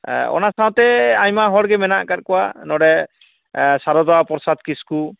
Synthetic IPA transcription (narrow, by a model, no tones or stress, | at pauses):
ɔ̰nasaw̃t̪ɛaɲmaɦɔɽɡɛmɛnaʔkat̚kɔwanɔɽɛ | saɾɔd̪ɔapɔɾsad̪̚kisku